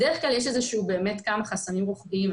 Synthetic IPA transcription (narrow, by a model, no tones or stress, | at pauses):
deeχɡlaljeʃezeʃuube̞ːme̞tkamaχasanimʁoχbiim